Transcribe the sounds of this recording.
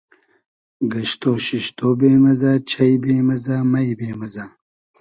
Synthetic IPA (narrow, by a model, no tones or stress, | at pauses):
ɡɐɕt̪oːɕiʃt̪oːbeːmɐzaːt͡ɕʰɐjbeːmɐzaːmɐjbeːmɐzaː